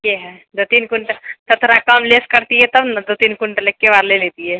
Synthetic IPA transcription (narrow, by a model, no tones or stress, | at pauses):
keɦɛd̪ot̪iːnkuɳʈət̪ɐt̪ʰɾakamleskəɾt̪ijɛt̪ɐnd̪ot̪iːnkuɳʈəlekːeʋaɾlelet̪ijɛ